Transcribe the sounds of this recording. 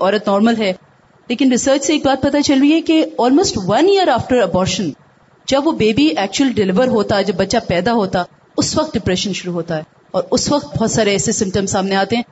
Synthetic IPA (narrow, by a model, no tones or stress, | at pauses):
ɔːɾət̪nɔːɾməlɦɛː | leːkɪnɾɪsəːɾt͡ʃseːk̚baːt̪̚pɐt̪at͡ʃɐlɾiɦɛkeɔːlmoːsʈʋɐ̃niəɾaːfʈəɾɐbɔːɾʃə̃n | d͡ʒɐbʋobeːbiɛːk̚t͡ʃuəlɖɪlɪʋəɾɦoːt̪aɛd͡ʒɐbːɐtːʃapɛːd̪aɦoːt̪a | ʊsʋɐqt̪̚ɖɪpɾɛʃə̃nʃʊɾuɦoːt̪aɦɛː | ɔːɾʊsʋɐqt̪̚bɔɦt̪saːɾeɛːsesɪ̃mpʈə̃msaːmneaːt̪ẽɦɛ̃ː